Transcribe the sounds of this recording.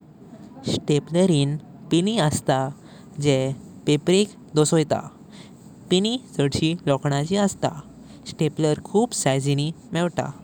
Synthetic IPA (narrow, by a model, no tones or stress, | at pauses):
sʈepləɾiːn | piniəst̪a | d͡ʑepepɾek | d̪ɔsojt̪a̰ | pinid͡zəɽɕilɔkɳ̃at͡ɕiəst̪a̰ | ɕʈepləɾkʰuːpsajd͡zini | mɛʋʈa̰